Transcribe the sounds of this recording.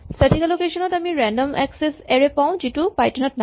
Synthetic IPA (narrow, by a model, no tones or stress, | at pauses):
səʈʰikalokeʃɔnɔtamiɹɛndɔmʔɛksesɛɹepaʊ̃d͡ʒitupajʈɔnɔt̚na